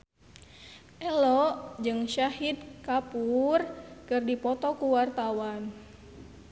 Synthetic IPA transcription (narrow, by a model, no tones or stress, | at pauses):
ʔɛlɔʔd͡ʒɨŋʃahid̪̚kapurkɨrdipɔt̪ɔkuwart̪awan